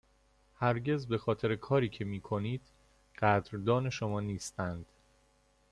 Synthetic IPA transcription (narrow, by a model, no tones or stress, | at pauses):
hæɾɟe̞zbe̞xɒːt̪ʰe̞ɾekʰɒːɾiːcʰe̞miːkʰo̞niːd̪̥ | ɢ̥æd̪ɾd̪ɒːne̞ʃo̞mɒːniːst̪ænd̪̥